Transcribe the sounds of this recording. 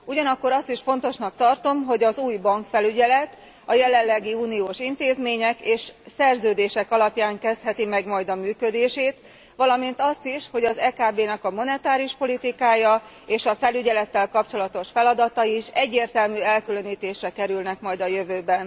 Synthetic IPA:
uɟɒnɒkːo̞ɾɒst̪iʃfo̞nt̪o̞ʃnɒkt̪ɒrt̪o̞mɦo̞ɟɒzuːjbɒŋkfɛlyɟɛlɛt̪ | ɒjɛlɛlːɛɡiuːnioːʃint̪eːzmeːɲɛkeːʃsɛrzøːd̪eːʃɛkɒlɒpjaːŋkɛst̪hɛt̪imɛɡmɒjd̪ɒmyːkød̪eːʃeːt̪ | ʋɒlɒmint̪ɒst̪iʃho̞ɟɒzɛːkaːbeːnɛkɒmo̞nɛt̪aːɾiuʃpo̞lit̪ikaːjɒ | eːʃɒfɛlyɟɛlɛt̪ːɛlkɒp̚t͡ʃo̞lɒt̪o̞ʃfɛlɒd̪ɒt̪ɒiʃɛɟːeːrt̪ɛlmyːɛlkylø̞niːt̪eːʃrɛkɛɾylnɛkmɒjd̪ɒjøvøːbɛn

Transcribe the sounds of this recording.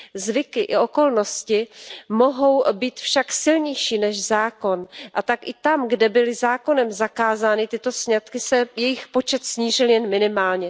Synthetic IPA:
zvɪkɪʔɪʔo̞ko̞lno̞scɪmo̞ɦo̞wbiːt̪fʃaksɪlɲɛjʃiːnɛʃzaːko̞nʔat̪akʔɪt̪amɡdɛbɪlɪzaːko̞nɛmzakaːzaːnɪt̪ɪt̪o̞sɲat̪kɪsɛjɛjɪxpo̞t͡ʃɛt̪sɲiːrɪljɛnmɪnɪmaːlɲɛ

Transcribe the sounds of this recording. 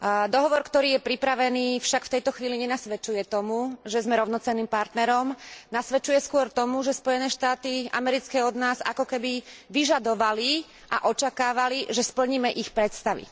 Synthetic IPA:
d̪ɔɦɔʋɔɾkt̪ɔɾiːjɛpɾipɾaʋɛniːfʃakft̪ɛjt̪ɔxʋiːliɲɛnasʋɛt͡ʃujɛt̪ɔmuʒɛzmɛɾɔʊnɔt͡sɛnːiːmpaɾt̪nɛɾɔmnasʋɛt͡ʃujɛskʊɔɾt̪ɔmuʒɛspɔjɛnɛːʃt̪aːt̪iʔa̰mɛɾit͡skɛːɔd̪naːza̰kɔkɛbiʋiʒad̪ɔʋali | ʔa̰ʔɔt͡ʃakaːʋaliʒɛspl̩ɲiːmɛʔixpɾɛt̪st̪aʋḭ

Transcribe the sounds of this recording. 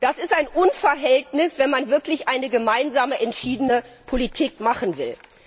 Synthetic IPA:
d̥asɪstaɪnʔʊnfɐɐɦɛltnɪsv̥ɛnmanvɪɐklɪçʔaɪnəɡəmaɪnzaːməʔɛntʃiːdənəpʰolitʰiːkmaχn̩vɪ̰l

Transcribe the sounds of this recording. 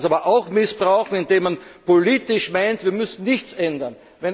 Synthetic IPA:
saːbɐʔaʊxmɪsb̥ʁaʊxŋ̩ɪndeːmːanpoliːtɪʃmaɪntviːɐmʏsn̩nɪçt͡sɛndɐn | vɛn

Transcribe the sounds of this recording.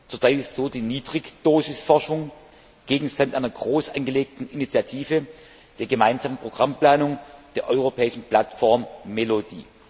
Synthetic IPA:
t͡suːɐt͡saɪtɪstz̥oːdiːniːdʁɪçd̥oːzɪsfɔɐʃʊŋ | ɡ̥eːɡŋ̩ʃtantʔaɪnɐɡʁoːsʔanɡəleːk̚tn̩init͡sjatʰiːvə | d̥eːɐɡəmaɪnzaːmənpʁ̥oɡ̥ʁamplaːnʊŋd̥eːɐʔɔʏʁopʰɛːɪʃn̩pl̥atfɔɐmːelodḭː

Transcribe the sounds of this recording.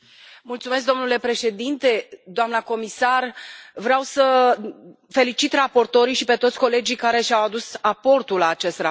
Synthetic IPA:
mult̪sumesk̚d̪o̞mnule̞pɾe̞ʃe̞d̪int̪e̞d̪oamnəko̞misarvɾeawsə | fe̞lit͡ʃit̪rapo̞rt̪o̞ɾiʃipe̞t̪o̞t̪sʲko̞le̞d͡ʒikaɾe̞ʃʲawad̪usapo̞rt̪ulːaːt͡ʃe̞st̪ra

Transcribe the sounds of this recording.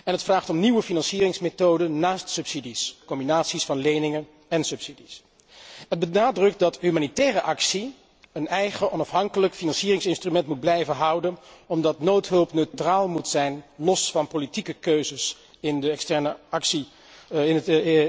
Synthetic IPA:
ɛnɦətfraːχtɔmniʋəfinɑnsiːrɪŋsmetowdənːaːstsɵpsidiskɔmbinaːtsisfɑnlejnɪŋən | ɛnsɵpsidis | ɦəd̚bənaːdrɵk̚tdɑtɦymaːnitɛːrəʔɑksi | ənɛjχəʔɔnɑfɦɑŋkələkfinɑnsiːrɪŋsɪnstrymɛntmud̚blɛjvənɦɑwdənɔmdɑtnowtɦɵlˠpnøɥtraːlˠmutsɛjnlɔsfɑnpolitikəkøɥzəs | ɪndəɛkstɛɹnəɑksi

